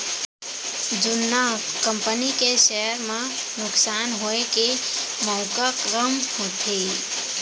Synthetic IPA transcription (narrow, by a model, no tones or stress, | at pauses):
d͡ʒunːa | kəmpənikeseɦəɾmẽ | nʊksanɦoeke | mɔʊkəkɾəmhot̪ʰe